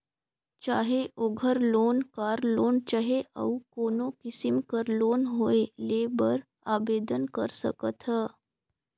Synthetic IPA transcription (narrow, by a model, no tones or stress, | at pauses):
t͡ɕa̰ɦeʔoɡʱəɾlonkaɾlont͡ɕaɦeʔə̰ukonokisimkəɾlonɦoelebəɾ | abed̪ənkəɾsə̰kət̪ʰə